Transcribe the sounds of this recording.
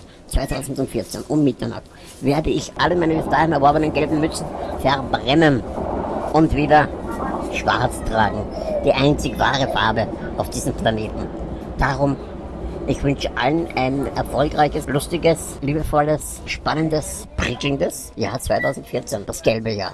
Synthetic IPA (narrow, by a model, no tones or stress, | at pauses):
t͡svaɪtʰaʊzn̩tʊntfɪɐt͡sḛnʔʊmmɪtɐna̰χt | veːɐdəɪçʔaləmaɪnəbɪsd̥aːhɪ̃mɛɐvɔɐbənənɡɛlbm̩mʏt͡sn̩fɛɐbʁɛmən | ʔʊntv̥iːdɐ | ʃv̥a̰ɐt͡stʁ̥aːɡŋ̩d̥iːʔaɪnt͡sɪçv̥a̰ːʁəfa̰ɐbəʔaʊfd̥iːzm̩pʰlaneːtn̩ | d̥aʁʊm | ʔɪçv̥ʏnʃəʔalənʔaɪnɛɐfɔlkʁaɪçəslʊstɪɡəs | liːbəfɔləs | ʃpanəndəspʁ̥ikl̩ndəs | jaːɐt͡sv̥aɪtʰaʊzn̩tfɪɐt͡send̥asɡ̥ɛlbəja̰ːɐ